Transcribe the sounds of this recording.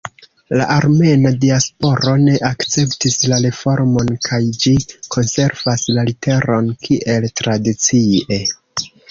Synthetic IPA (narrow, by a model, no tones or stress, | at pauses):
la̰ʔaɾme̞nadiaspo̞ɾo̞ne̞ʔakt͡se̞ptislaɾe̞fo̞ɾmo̞nkʰajd͡ʒikʰo̞nse̞ɾvaslalite̞ɾo̞nkʰiʔe̞ltɾadit͡sie̞